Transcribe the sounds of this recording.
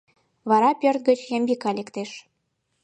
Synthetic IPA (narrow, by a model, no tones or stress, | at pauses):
βɑɾɑpʲørt̪̚ɡə̆t͡ɕjembikɑlekt̪eʃ